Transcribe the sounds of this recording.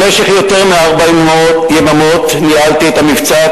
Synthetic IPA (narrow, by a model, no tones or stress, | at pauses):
meʃeχjo̞t̪e̞ʁmeaʁbaimmotjemamo̞t̪nialt̪iet̪amivt͡sa